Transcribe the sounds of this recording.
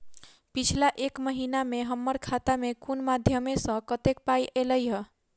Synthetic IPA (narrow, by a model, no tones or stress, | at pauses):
pit͡ʃʰlaʔekməɦinameɦəmːəɾkʰat̪amekunmad̪ʱjəmesə̃kət̪ek̚pajʔeləjɦə